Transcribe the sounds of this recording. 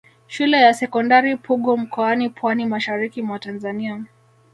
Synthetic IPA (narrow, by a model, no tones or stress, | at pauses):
ʃulɛjasɛkɔndaɾipuɠɔm̩kɔanipʰwanimaʃaɾikimwatanzania